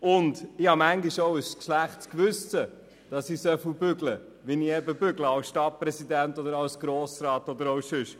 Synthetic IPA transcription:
ʊndɪhɑmæŋɡiʃowəskʃlæχtskʋʉsə | d̥ɑsisœfubʏɡlə | ʋiniɛbəbʏɡləɑwsʃtɑt̚pɾɛsidæntɔd̪əɾɑwsɡ̥ɾoːsɾɑːtɔd̪əɾowsʏʃ

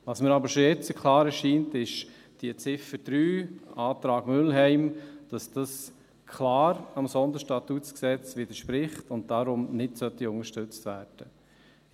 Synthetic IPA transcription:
vɑsməɾɑbəɾʃɔjɛt͡səkʰlɑːɾɛʃiːntɪʃ | d̥iət͡sɪfəd̥ɾyːɑːt̪ɾɑːɡmʏlɦɛɪmd̥ɑsd̥ɑs | kʰlɑːɾɑmsɔnd̪əɾʃtɑtutt͡sksɛt͡sʋɪd̪əɾʃpɾɪχtʊnt̚d̥aɾʊmnɪtsœtːiʊŋəɾʃtʏt͡stvæːɾd̥ə

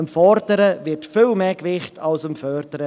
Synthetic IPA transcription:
əmfɔɾdəɾəvɪtfɪlmeːkvɪχtʰɑlsəmfœɾdəɾə

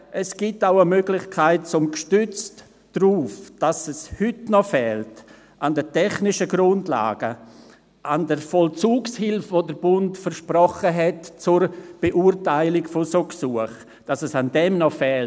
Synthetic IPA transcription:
ʔɛsɡ̥itaʊəmøːɡlɪçkʰaɪt̚t͡sʊmkʃtʏt͡st | d̥ruːfd̥asɛshʏtnɔfɛːlt | ʔandətɛχnɪʃəɡɾʊndla̰ːɡ̥ə | ʔandəɾfɔlt͡suːkshɪlfvoːdəɾb̥ʊntfəɾʃprɔχəɦɛtt͡sʊrb̥eʔuːɾtaɪlɪkfosoksuəχ | d̥asɛsandɛmnɔfɛːl

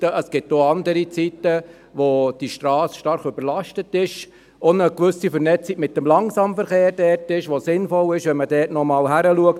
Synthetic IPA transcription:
əəsɡ̥ɪtːoɑnd̪əɾit͡sit̪ə | ʋod̥iʃtɾɑːsʃtɑɾχøbəɾlɑʃtətɪʃ | onəkʋʏsifəɾnɛt͡siɡ̥mɪt̚dəmlɑŋsɑːmfəɾχeːɾd̥ɛːɾtɪʃʋosɪnfɔlɪʃʋɛnmədɛːtnɔmɑːlɦæɾəluək̚t

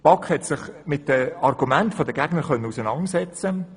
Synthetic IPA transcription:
pɑkχhɛtsɪχmɪt̚dəɑrɡumæntfodəɡæɡnəɾχœnːəusənɑŋsɛt͡sə

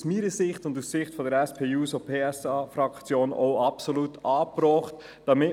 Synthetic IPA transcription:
smiːɾəsɪχtʊndusːɪχtfɔdəɾɛspʰeːuːsopʰeːɛsɑːfɾɑkt͡sjoːnɔ̰ʊɑpsoluːtɑːpɾɔːχt | d̥ɑmɪ

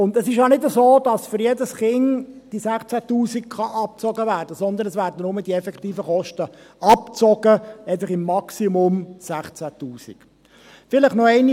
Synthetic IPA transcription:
ʊndɛsɪʃjɑnɪdəzoːd̥ɑsfʏɾjedəsχɪŋd̥isæχt͡sætuːsikχɑʔɑp̚t͡sɔɡəvæːrd̥əsɔnd̪ənəsvæːɾdənʊmədiɛfɛktiːfəχɔʃtə | ɑpt͡sɔɡəɛt̬ləχɪmːɑksimʊmsæχt͡sætuːsḭk | fɪləχnɔɛɪni

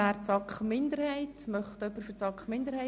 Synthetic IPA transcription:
æːɾt͡sɑkχmɪnd̪əɾhɛɪtmœχtœpːəɾfət͡sɑkχmɪnd̪əɾhɛɪ

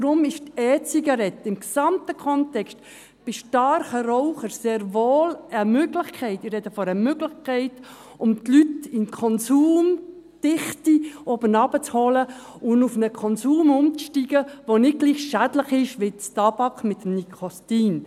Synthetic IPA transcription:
dɾʊmɪʃtɛːt͡siɡɑɾɛtːɪmksɑmtəkʰɔntɛkst | b̥ɪʃtɑɾχəɾɔʊχəɾseːɾvoːləmøɡlɪχkʰɛɪtɪɾrɛdəfɔɾəmøɡlɪχkʰɛɪt | ʊmt̪lytɪnkʰɔnsuːm | d̥ɪχtiɔbənɑbət͡shɔlə | ʊnufnəkʰɔnsuːmʊmt͡sʃtiːɡ̥əʋonɪɡ̥liːχʃædləχɪʃʋɪt͡stɑb̥ɑkmɪt̪əmnikʰɔstiːn

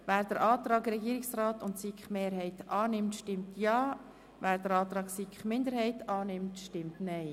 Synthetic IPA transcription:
væːɾd̥əɾʔɑːtɾɑːɡɾɛɡiːɾɪksraːtʊntsikχmeːɾɦɛɪtɑːnɪmtʃtɪmtʰjɑː | væːɾd̥əɾɑːt̪ɾɑːɡsikχmɪnd̪əɾhɛɪtʰɑːnɪmtʃtɪmtnɛɪ

